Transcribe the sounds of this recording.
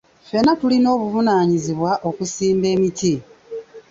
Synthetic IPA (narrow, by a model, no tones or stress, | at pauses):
fe̞natulino̞ːβuvunaːɲiziβwaʔo̞kusiːmbe̞ːmiti